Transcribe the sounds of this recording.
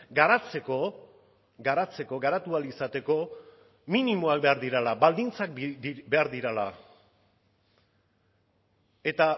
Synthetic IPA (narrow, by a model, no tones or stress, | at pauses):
ɡaɾat͡se̞ko̞ | ɡaɾat͡se̞ko̞ɡaɾat̪ualisat̪e̞ko̞ | minimo̞ak̚be̞aɾðiɾalabald̪int͡sakbe̞aɾðiɾala̰ | e̞t̪a